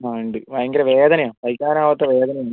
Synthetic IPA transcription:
aɳɖɨʋɐjɐŋɡɐɾɐʋeːðɐnɐjaːpɐjkːaːɾaːʋɐt̪ːɐʋeːðɐnɐjaːn

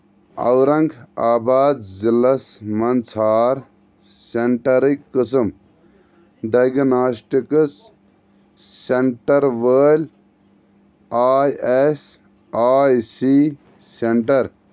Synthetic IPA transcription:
ɐ̰wɾɐŋɡaːbaːd̪zilɐsmɐnt͡sʰaːɾ | seɳʈɐɾikːɨs̬ɨm | ɖɐjɡnaːsʈikɨs | eɳʈɐɾʋəːlʲ | aːjes | aːjsi | seɳʈɐɾ

